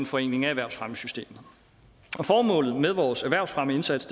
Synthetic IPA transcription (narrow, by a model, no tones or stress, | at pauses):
enfɒ̽e̝n̰ɡ̥e̝ŋæeʋæɐʊsfʁaməsysd̥e̝̰ːmð̩ˠ | ɒ̽fɒːmɔ̰̽ːlð̩ˠmeð̞ˠʋɒːsæʋæɐ̰ʊsfʁaməe̝nsæd̥sʰ